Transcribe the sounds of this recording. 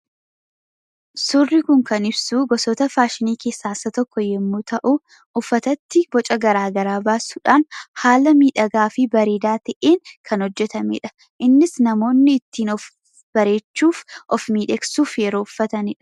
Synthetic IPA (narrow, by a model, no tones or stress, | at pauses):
sʊrːɪkʊŋkɐnɪbsuːɡɔsɔt̪ɐfaːʃɪniːke̞ːsːaːsɐt̪ɔkːɔjɛmːut̪ɐʔu | ʔʊfːɐt̪ɐt̪ːɪb̥ɔt͡ʃʼɐɡɐɾaːɡɐɾaːbaːsuːᶑaːnhaːlɐmiːᶑɐɡaːfɪbɐɾeːd̪aːt̪ɐʔeːŋkʰɐnhɔd͡ʒːɛt̪ɐmḛːᶑɐ̥ | ʔɪnːɪsnɐmo̞ːnːɪːt̪ːiːnɔf | b̥ɐɾe̞ːt͡ʃːuːfʔɔfmiːᶑeksuːfjɛɾoːʊfːɐt̪ɐnɪᶑɐ̥